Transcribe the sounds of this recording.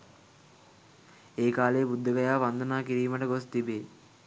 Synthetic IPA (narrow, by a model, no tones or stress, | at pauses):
eːkaːleːbud̪ːɐɡɐjaːʋɐnd̪ɐnaːkiɾiːmɐʈəɡost̪ibeː